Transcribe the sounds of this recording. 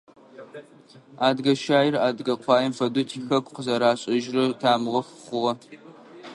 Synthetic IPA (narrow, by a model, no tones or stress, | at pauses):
aːdɡɐʃaːjɪraːdɡɐqʷʰɑːjɛmfɐdutʰiːxɐkʷqəzɐɾaːɕʼɐʒrɨtʰaːmɨʁɐxχʷʊʁɐ